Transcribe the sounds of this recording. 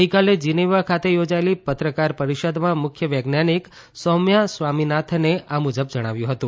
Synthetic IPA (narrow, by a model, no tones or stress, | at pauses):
ɦikaled͡ʒineʋakʰat̪ejod͡ʒaelipət̪ɾəkaɾpəɾiʃəd̪mãmʊkʰjəʋəɡnanik | sɔmjasʋaminat̪ʰneʔamud͡ʒəb̚d͡ʒəɽ̃aʋjũɦət̪ũ